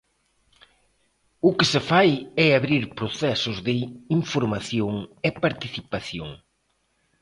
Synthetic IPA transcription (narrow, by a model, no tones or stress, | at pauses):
ʊkɪsɪfajɛaβɾiɾpɾoʊθɛsʊzðɪiɱfoɾmaθjoŋepaɾt̪iθipaθjo̰ŋ